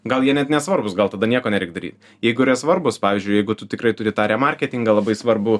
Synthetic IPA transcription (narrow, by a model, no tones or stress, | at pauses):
ɡɐlˠjiɛnʲɛt̪nʲɛsʋɐrbʊsɡɐlˠt̪ɐd̪ɐnʲiɛkoːnʲɛɾʲɛɪkd̪ɐɾʲḭːt̪ | jɛɪɡʊɪɾʲɛsʋɐrbʊspɑːʋʲiːzʲd͡ʒʲʊɪjɛɪɡʊt̪ʊt̪ʲɪkɾɐɪtʊɾʲɪt̪ɑːɾʲɛːmɐrʲkʲɛt̪ʲɪŋɡɐlˠɐbɐɪsʋɐrbʊ